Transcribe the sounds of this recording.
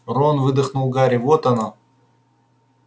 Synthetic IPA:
ronvɨd̪əxnulˠɡaɾʲɪvot̪ɐna

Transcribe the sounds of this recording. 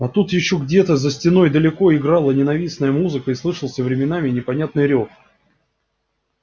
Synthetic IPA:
ɐt̪ut̪jɪɕːo̞ɡdʲe̞t̪əzəsʲtʲɪno̞jd̪əlʲɪko̞ɪɡɾɑlˠənʲɪnɐvʲisnəjəmuzɨkəɪslˠɨʂəlˠsʲəvɾʲɪmʲɪnamʲɪnʲɪpɐnʲat̪nɨjɾʲox

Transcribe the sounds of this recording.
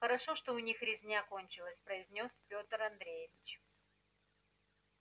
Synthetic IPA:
xəɾɐʂoʂt̪oʊnʲixɾʲɪzʲnʲakonʲt͡ɕɪlˠəsʲpɾəɪzʲnʲo̞spʲo̞t̪əɾɐnd̪ɾʲejɪvʲɪt͡ɕ

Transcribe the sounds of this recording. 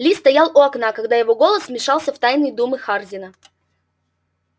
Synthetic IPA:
lʲist̪ɐjalˠʔʊɐknakɐɡd̪ajɪvo̞ɡo̞lˠəsmʲɪʂɑlˠsʲəft̪ajnɨjd̪umɨxarzʲɪnə

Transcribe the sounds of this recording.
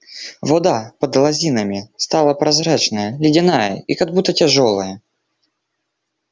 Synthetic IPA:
vɔd̪apəd̪lˠɐzʲinəmʲɪst̪alˠəpɾɐzɾat͡ɕnəjəlʲɪdʲɪnajə̰ikɐɡ̚but̪ːətʲɪʐolˠəjə

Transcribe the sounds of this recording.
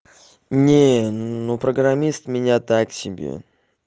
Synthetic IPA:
nʲenopɾəɡɾamʲist̪mʲɪnʲat̪aksʲɪbʲḛ

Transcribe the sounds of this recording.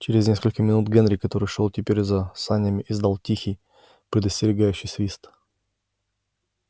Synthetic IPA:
t͡ɕɪɾʲɪznʲe̞skəlʲkəmʲɪnut̪ɡɛnɾʲɪkɐt̪o̞ɾɨjʂolˠtʲɪpʲeɾʲzɐsanʲɪjəmʲɪʔɪzd̪alˠtʲixʲɪj | pɾʲɪd̪əsʲtʲɪɾʲɪɡajʉɕːɪjsvʲist̪

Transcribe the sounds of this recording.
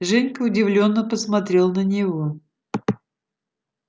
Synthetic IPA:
ʐɛnʲkəʊdʲɪvlʲo̞nːəpəsmɐt̪ɾʲe̞lˠnənʲɪvo̞

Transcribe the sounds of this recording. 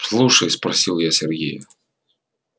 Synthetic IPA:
slˠuʂəjspɾɐsʲilˠjasʲɪrɡʲḛj

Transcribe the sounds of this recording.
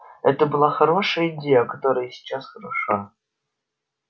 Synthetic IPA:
ɛ̰t̪əbɨlˠɑxɐɾoʂəjəidʲejəkɐt̪oɾəjəsʲɪ̥t͡ɕasxɐɾɐʂa

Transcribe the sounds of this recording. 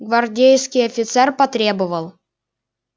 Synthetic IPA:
ɡvɐrdʲejskʲɪjɐfʲɪt̪sɛrpɐt̪ɾʲebɨvəlˠ

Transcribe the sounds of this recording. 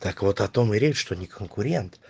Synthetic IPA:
t̪akvot̪ɐt̪omɨɾʲeʂt̪onʲɪkʰənkʊɾʲent̪

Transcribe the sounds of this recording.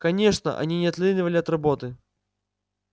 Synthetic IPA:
kɐnʲeʂnə̰ʔɐ̰nʲinʲɪɐt̪lʲinʲɪvəlʲɪɐt̪rɐbo̞t̪ɨ

